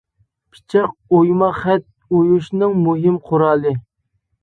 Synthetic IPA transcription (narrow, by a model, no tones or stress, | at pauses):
pʰi̥t͡ʃʰɪqojmɑχɛt̪̚ | ojuʃnɨŋmuɦɪmqʰʊɾɑːlˠɨ